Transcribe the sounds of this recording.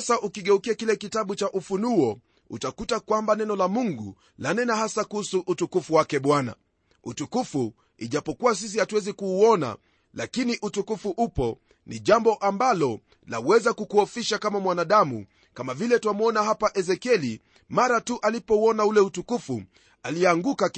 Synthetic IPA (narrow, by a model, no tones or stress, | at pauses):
saʔukiɠɛukiakilɛkitaɓut͡ʃaʔufunuɔ | ṵtakutakwambanɛnɔlamuŋɡu | lanɛnahasakuhusuʔːtukufuwakɛɓwana̰ | utukufu | iʄapɔkuwas̬is̬ihatuwɛzikuːɔna̰ | lakiniʔutukufuʔupɔ | niʄambɔʔambalɔ | lawɛzakukuɔfiʃakamamwanaɗamṵ | kamavilɛtuamuɔnahapaʔɛzɛkiɛli | maɾatuʔalipɔuɔnaulɛutukufu | aliɛaŋɡuka